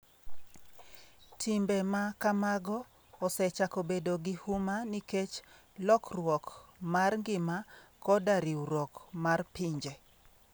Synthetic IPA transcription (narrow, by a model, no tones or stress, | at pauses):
tʰimbɛmakamaɡɔː | sɛt͡ʃakobedoɡihumaniket͡ʃ | lɔkrwɔkmarŋɡɪmakɔdaɾiɾɔkmarpiɲd͡ʒe